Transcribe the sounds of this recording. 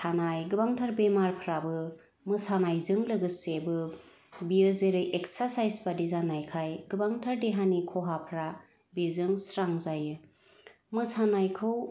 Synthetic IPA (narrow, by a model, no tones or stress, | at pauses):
sʰanajɡɯbaŋtʰaɾbemaɾpʰɾabɯ | mɯsanajzɯŋlɯɡɯsebɯ | biɯzeɾɯjʔeksaɾsajsbadizanajkʰajɡɯbaŋtʰaɾdeɦanikʰɔɦapʰɾa | bezɯŋsɾaŋzajɯ | mɯsanajkʰɯw